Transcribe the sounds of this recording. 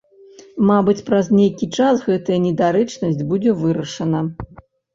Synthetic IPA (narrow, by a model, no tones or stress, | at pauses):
mabɨt͡sʲpɾɐznʲejkʲit͡ʂasɣɛt̪ɐjɐnʲɛd̪aɾɛt͡ʂnɐsʲd͡zʲbud͡zʲɛvɨɾɐʂɐnɐ